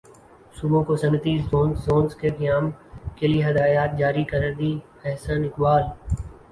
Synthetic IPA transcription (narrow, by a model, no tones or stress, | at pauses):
sʊbõkosɐmɪt̪izõːnːoːnzkeɡɪjaːmkelieɦɐd̪aːjaːt̪̚d͡ʒaːɾikɐɾəɾd̪iː | ɛɦsənɪkbaːl